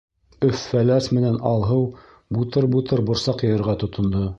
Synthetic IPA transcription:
ɵfːælæsmɘ̆nænɑlˠɦɤw | but̪ɤɾbut̪ɤɾbŏɾsɑqjɤ̆jɤ̆ɾʁɑt̪ŏt̪ŏnd̪ɤ

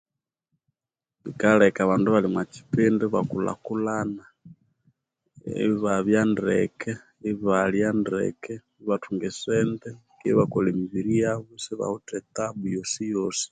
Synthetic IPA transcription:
βikalɛkaβanduβalimwat͡ʃi̥pɛndɛβakula̰kulana | ɛ̰βaβjandɛ̰kɛ | iβaljandɛ̰kɛ | iβatʰuŋɡɛsɛndɛ | kiβakɔlɛmiβiɾijaβusɛβa̰hɔtɛtaβujɔsijɔsi̥

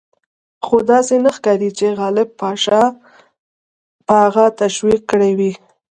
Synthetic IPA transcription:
xod̪ɑsenaxkɑɾit͡ʃeɣɑlɪb̚pɑʃɑ | pəhaɣat̪aʃwikːəɽewi

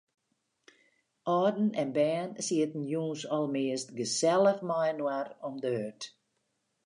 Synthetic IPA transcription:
ʔɔːdn̩ɛnbɛːnsiətn̩juːnsɔlˠmɪəstɡəsɛlˠəfmajnwarɔmdəøt

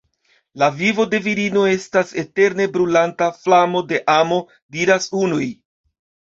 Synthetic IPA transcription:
lavivo̞de̞viɾino̞e̞stase̞te̞ɾne̞bɾulantaflamo̞de̞ʔamo̞ | diɾasunuj

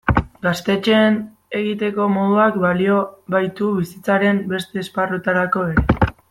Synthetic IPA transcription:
ɡast̪e̞t͡ʃe̞ːn | e̞ɣit̪e̞ko̞mo̞ðuakbalio̞βajt̪uβisit͡saɾe̞mbe̞st̪e̞ːsparut̪aɾako̞e̞ɾe̞

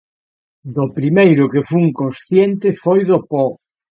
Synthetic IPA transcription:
d̪opɾimejɾʊkɪfuŋkonsθjent̪ɪfojðopɔ

